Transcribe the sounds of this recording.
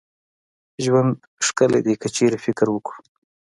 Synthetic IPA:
ʒwand̪ | ʂkəlḛd̪ekət͡ʃeɾefɪkɾwəku̥

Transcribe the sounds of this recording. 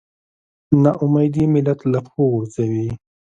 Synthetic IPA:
naʔʊmajd̪imɪlat̪laxoɣuɾzawi

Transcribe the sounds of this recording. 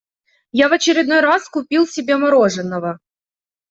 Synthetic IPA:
javɐt͡ɕɪɾʲɪd̪no̞jɾaskʊpʲilˠsʲɪbʲemɐɾoʐɨnːəvə

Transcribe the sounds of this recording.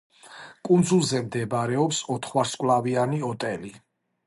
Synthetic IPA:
kʼund̪zulˠzɛmd̪ɛbɾɛɔpsɔt̪ʰχwaɾskʼwlˠavianiɔt̪ʼɛli

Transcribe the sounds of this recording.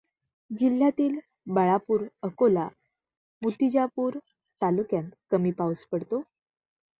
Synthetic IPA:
d͡ʑil̤ːjat̪iːl | bəɭapuːɾəkola | mut̪id͡ʑapuːɾ | t̪alukjãnt̪kəmiːpauspəɽt̪o

